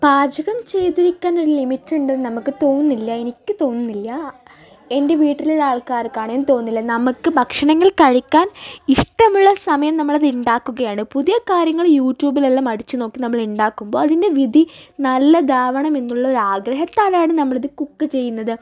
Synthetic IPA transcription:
b̥aːd͡ʑʱɐɣɐmt͡ɕe̞jt̪iɾikʲːaːno̞ɾulimitːuɳɖɐðɨnɐmukːɨt̪o̞ːunːilːɐe̞nikʲːɨt̪o̞ːnnːilːɐ | e̞nde̞ʋiːʈːiliɭaːɭkaːɾkːaːɳenːɨt̪o̞ːunːilːɐnɐmukːɨbʱɐkʂɐɳɐŋːɐɭkɐɻikʲːaːniʂʈɐmuɭːɐsɐmɐjɐmnɐmːɐɭɐðuɳɖaːkːuɣɐjaːɳɨpuðijɐkaːɾjɐŋːɐɭjuːtːjuːbilelːɐmɐɽit͡ɕːuno̞ːkːinɐmːɐɭuɳɖaːkːumbo̞ːɐðinde̞ʋid̪ʱinɐlːɐd̪ʱaːʋɐɳɐme̞nːuɭːɐo̞ɾaːɡɾɐɦɐt̪ːaːlaːɳɨnɐmːɐɭiðɨkukːɨt͡ɕe̞jːunːɐðɨ

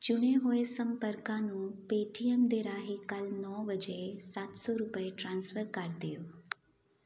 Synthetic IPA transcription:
t͡ʃʊɽ̃eɦoːesə̃mpəɾkãnũːpeːʈijəmd̪eɾaːɦikəlnɔːʋəd͡ʒesaːt̪sɔɾupəeʈɾãːnsfəɾkaɾd̪ijoː

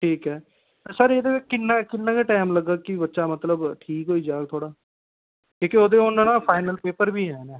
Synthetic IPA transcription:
ʈʰiːkɦɛː | səɾeːd̪eːɪkɪnːãːkɪnːãːkeːʈaːmləɡːaːkɪbətːʃaːmət̪ləbʈʰiːkɦoːiːd͡ʒaːɡt̪ʰoːɽaː | kõːkɪoːd̪eːʊnːãːnãːpʰaːɪnəlpeːpəɾbʱiːɦɛːnɛ̃ː

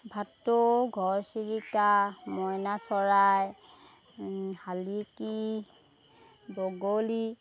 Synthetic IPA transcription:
bʱatːoɡʱɔɹsiɹikamɔjnasɔɹaj | haliki | bɔɡoli

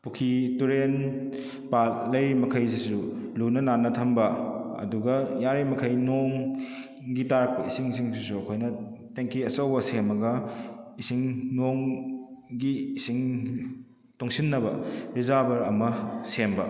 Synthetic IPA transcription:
pukʰituɾen | palːɐjmɐkʰɐjsisulunɐnanːɐtʰɐmbɐɐ̰duɡɐjaɾimɐkʰɐjnoŋ | ɡitaɾɐk̚pɐisiŋsiŋsisuɐkʰojnɐteŋkʰiɐsɐwbɐsemɐɡɐisiŋnoŋ | ɡiːsiŋ | toŋsinːɐbɐɾizabɐɾɐmɐsembɐ

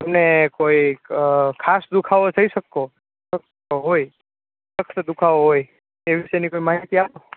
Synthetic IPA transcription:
əmnekoi | kʰasd̪ukʰaʋod͡ʒʰʱəiʃəkːo | ək | oɦoj | əkʰt̪d̪ukʰaʋoɦoj | eʋiʃənikoimaɦit̪iapo

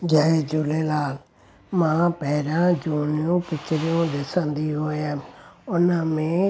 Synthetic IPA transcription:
d͡ʒaːeːd͡ʒʊleːlaːl | mãːpɛːɾãːd͡ʒuːnɪjõːpɪt͡ʃɾɪjõːd̪ɪsãːnd̪iːɦoːaːʊnãːmẽː

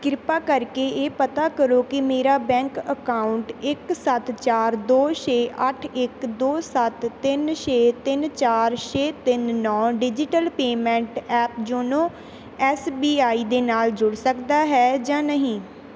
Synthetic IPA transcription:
kɪɾɪpaːkəɾkeːeːpət̪aːkəɾoːkɪmeːɾaːbɛ̃ːŋkəkaːʊɳʈɪksət̪t͡ʃaːɾd̪oːʃeːʔəʈʰɪkd̪oːsət̪ːɪnʃeːt̪ɪnt͡ʃaːɾʃeːt̪ɪnːɔ̃ːɖɪd͡ʒɪʈəlpeːmɛ̃ːɳʈɛːpd͡ʒoːnõː | ɛːsbiːaːiːd̪eːnaːld͡ʒʊɽsəkd̪aːɦɛːd͡ʒãːnəɦĩː

